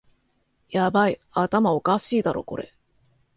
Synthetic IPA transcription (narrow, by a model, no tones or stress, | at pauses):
jabaiat̪amao̞kaɕiːd̪aɾo̞̰ko̞ɾe̞